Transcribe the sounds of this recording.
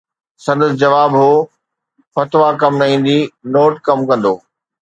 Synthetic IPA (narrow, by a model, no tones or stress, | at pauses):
sɐ̃nd̪əsd͡ʑɐʋaːbɦoː | fɐt̪ʋakɐmɾɐĩːn̆d̪inoːʈkɐmkɐ̃nd̪oː